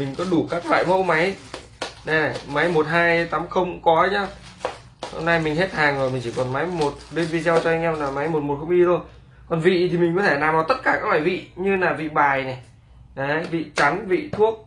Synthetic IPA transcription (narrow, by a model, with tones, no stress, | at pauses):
mi˨˩ŋ̟kɔ˨˦ɗu˧˩kaː˦˥k̚la̰ː˧˨jmə̰˧˥wma˨˦j | ɗe˨˩ma˨˦jmo˨˩t̚ɦaː˧jt̪aː˨˦mxə˧wŋ͡mkɔ˨˦ɲaː˨˧˦ | ho̰˧mna˧jmï˨˩ŋ̟ɦe˦˥t̚haː˨˩ŋzo˨˩jmï˨˩ŋt͡ɕi˧˩kɔ˨˩nma˨˦jmo˨˩t̚ɗe˧nvi˧za˧wt͡ɕɔ˧ha˧jŋʔɛ˧mlaː˨˩ma˨˦jmo˨˩t̚mo˨˩t̚xə˧wŋ͡mʔi˧o˧j | kɔ˨˩nvḭ˧˨t̪ʰi˨˩mï˨˩ŋ̟kɔ˨˦t̪ʰe˧˩naː˨˩mvaː˨˩t̪ə˦˥t̚kaː˧˩kaː˦˥k̚la̰ː˧˩vḭ˧˨ɲɨ˧laː˨˩vḭ˧˨ɓaː˨˩jnɛ˨˩ | ʔə˨˦vḭ˧˨t͡ɕa˨˦ŋvḭ˧˨t̪ʰu˦˥ək̚